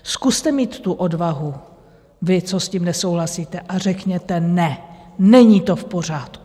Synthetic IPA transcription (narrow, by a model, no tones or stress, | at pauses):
skust̪ɛmiːt̪ːuʔo̞dvaɦu | vɪt͡so̞sciːmnɛsowɦlasiːt̪ɛʔar̝ɛkɲɛt̪ɛnɛnɛɲiːt̪ofpo̞r̝aːt̪ku